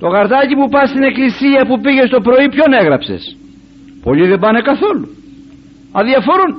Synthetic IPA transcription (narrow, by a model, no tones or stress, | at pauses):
t̪o̞ɣɐɾt̪ɐcipupɐst̪ine̞klisiɐpupiʝe̞st̪o̞pɾo̞ipço̞ne̞ɣɾɐpse̞̰s | po̞ʎiðebɐne̞kɐθo̞lu | ɐðiɐfo̞ɾun